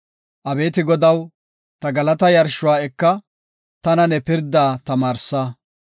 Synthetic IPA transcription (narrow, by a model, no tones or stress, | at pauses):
ʔɐbeːt̪ɪɡɔd̪ɐw | t̪ɐɡɐlɐt̪ɐjɐɾʃʊwaːɛkːɐ | t̪ɐnɐnɛpɪɾd̪aːt̪ɐmaːɾsːa